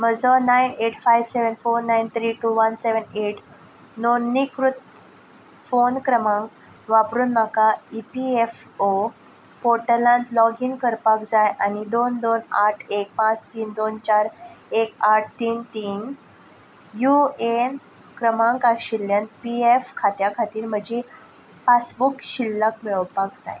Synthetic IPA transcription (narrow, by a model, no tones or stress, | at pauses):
m̤əd͡zənajneʈʰfajʋseʋənfoɾnajnt̪ʰɾiːʈuʋənseʋəneʈ | nonːikɾut̪̚ | fonkɾəmãŋk | ʋapɾuːnməkaipiefo | poʈəlãnt̪lɔɡiːnkəɾpakd͡zajʔanid̪ond̪onaʈʰek̚pãt͡st̪iːnd̪ont͡ɕaɾekaʈ̚ʰt̪iːnt̪iːn | juen | kɾəmãŋkaɕiljant̪piefkʰat̪jakʰat̪iːɾm̤əd͡ʑi | pasbukɕilːəkmiɭəwpakd͡za̰j